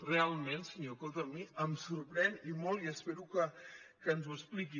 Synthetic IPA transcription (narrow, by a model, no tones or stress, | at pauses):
realˠmẽnsəɲokolˠt̪əmːiəmsuɾpɾɛnimolˠiəspeɾukəkənzuəspliki